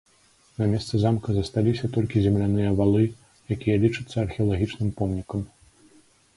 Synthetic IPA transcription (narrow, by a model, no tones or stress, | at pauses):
nɐmʲɛst̪sɨzamkɐzɐst̪alʲisʲɐt̪ɔlʲkʲizʲɛmlʲanɨjɐvalˠɨ | jakʲijɐlʲit͡ʂɨt̪sːɐɐrxʲɛɐlˠaɣʲit͡ʂnɨmpɔmnʲikɐm